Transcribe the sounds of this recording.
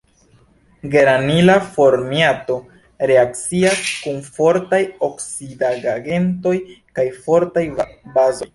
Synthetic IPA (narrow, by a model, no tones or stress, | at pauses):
ɡe̞ɾanilafo̞ɾmiato̞ | ɾe̞ak̚t͡siaskunfo̞ɾtajo̞ksidaɡaɡe̞nto̞jkajfo̞ɾtajbazo̞j